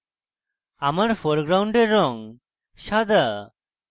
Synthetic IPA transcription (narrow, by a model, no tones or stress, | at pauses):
amaɾfʰoɾɡɾawɳɖeɾːɔŋ | ʃad̪a